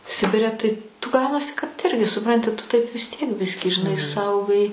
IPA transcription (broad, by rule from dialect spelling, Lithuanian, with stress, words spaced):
ˈsʲɪbʲɪrʲɛ tɐɪ tʊ ˈɡɐʊnɐsʲɪ kɐt ˈɪrʲɡʲɪ sʊˈprɐnʲtʲɪ tʊ tɐɪp ʋʲɪs ˈtʲiɛk ˈbʲɪsʲkʲiː ʒʲɪˈnɐɪ ˈsɐʊɡɐɪ